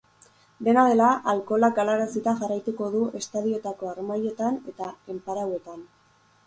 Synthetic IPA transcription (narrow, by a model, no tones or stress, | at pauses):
d̪e̞nað̞e̞laʔalko̞lakalaɾasit̪aʝarajt̪uko̞ðuʔe̞st̪aðio̞t̪ako̞aɾmajo̞t̪ane̞t̪ae̞mpaɾawe̞t̪an